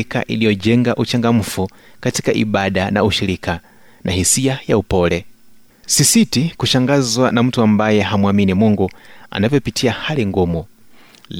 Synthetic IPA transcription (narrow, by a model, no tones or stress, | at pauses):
ka̰ʔḭlijɔd͡ʒɛŋɡaʔut͡ʃaŋɡam̩fu | katikaʔḭɓaɗana̰uʃiɾikʰa | nʔahisiajaupɔlɛ | sisitikuʃaŋɡazwanam̩tuambajɛhamwaminimuŋɡua̰navjɔpitʰiahaliŋɡɔmɔ